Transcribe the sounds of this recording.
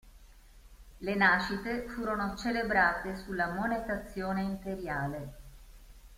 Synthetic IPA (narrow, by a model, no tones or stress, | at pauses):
lenaːʃit̪efuːɾonot͡ʃelebɾaːt̪esulːamonet̪at̪sːjoːneimp̪eɾjaːle